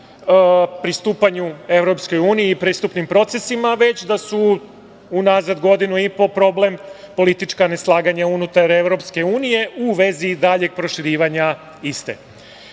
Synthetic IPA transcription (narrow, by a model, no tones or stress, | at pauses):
pɾist̪uːpaɲue̞ʋɾo̞psko̞juːniiːpɾiːst̪upnimpɾo̞t̪sesimaʋe̞t͡ɕd̪asuː | naːzad̪ɡo̞d̪inuipo̞pɾo̞ble̞m | po̞lit̪it͡ʂkane̞slˠaːɡaɲaunut̪aɾe̞ʋɾo̞pske̞uːnije̞ʔuʋe̞zid̪aːʎe̞ɡ̚pɾo̞ʃiɾiːʋaɲa | ist̪ḛ